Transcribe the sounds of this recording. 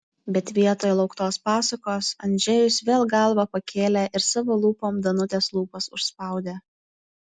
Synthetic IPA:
bʲɛt̪ʋʲiɛt̪oːjlˠɒʊkt̪oːspɑːsɐkoːsɐnʲd͡ʒʲɛjʊsʋʲeːlˠɡɐlˠʋɐpɐkʲʰeːlʲɛʔɪɾsɑʋoːlˠuːpoːmd̪ɐnʊt̪ʲeːslˠuːpɐsʊʃspɑˑʊd̪ʲeː

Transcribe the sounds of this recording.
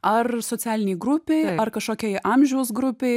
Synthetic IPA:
ɐrsoːt̪sʲæːlʲɪnʲejɡɾʊpʲeɐrkɐʃkoːkʲɛjʔɐmʲʒʲɛʊsɡɾʊpʲeɪ

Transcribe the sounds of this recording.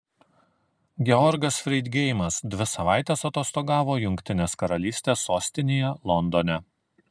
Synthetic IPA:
ɡʲɛɔɾɡɐsfʲɾʲɛɪd̪ʲɡʲɛɪjmɐsd̪ʲʋʲɪsɐʋɑˑɪt̪ʲeːsɐt̪oːst̪oːɡɑːʋoːjʊŋʲkʲt̪ʲɪnʲeːskɐɾɐlʲiːsʲt̪ʲeːsoːsʲt̪ʲɪnʲeːjɛlˠɔnd̪onʲɛ

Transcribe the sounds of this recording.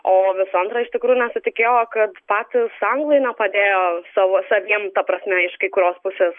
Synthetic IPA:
oːʋʲɪsɐnt̪ɾɐɪʃt̪ʲɪkɾuːjʊnʲɛsʊt̪ʲɪkʲeːjoːkɐt̪pɑːt̪ʲɪsɐŋɡlˠɐɪnʲɛpɐd̪ʲeːjoːsɑʋoːsɐʋʲiɛmt̪ɐpɾɐsʲmʲɛɪʃkɐɪkʊɾʲoːspʊsʲeːs

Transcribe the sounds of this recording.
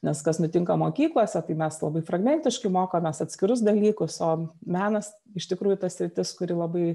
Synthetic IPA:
nʲɛskɐsnʊt̪ʲɪŋkɐmoːkʲiːklˠoːsʲɛt̪ɐɪmʲɛslˠɐbɐɪfɾɐɡmʲɛnʲt̪ʲɪʃkɐɪmoːkoːmʲɛsɐt̪ʲsʲkʲɪɾʊs̬d̪ɐlʲiːkʊsoːmʲæːnɐs | ɪʃt̪ʲɪkɾuːjʊt̪ɐssʲɾʲɪt̪ʲɪskʊɾʲɪlˠɐbɐɪ

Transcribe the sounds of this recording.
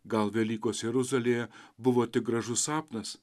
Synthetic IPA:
ɡɐlˠʋʲeɛlʲiːkoːsjɛɾʊzɐlʲeːjɛbʊʋoːt̪ʲɪk̚ɡɾɐʒʊsɑːpnɐs

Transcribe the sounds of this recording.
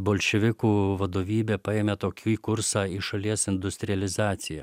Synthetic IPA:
boːlʲʃʲɛʋʲɪkuːʋɐd̪oːʋʲiːbʲeːpɐeːmʲet̪oːkʲuːikʊɾsɑːiʃɐlʲiɛsɪnd̪ʊsʲt̪ʲɾʲɪjɐlʲɪzɑːt̪sʲɪjɛ

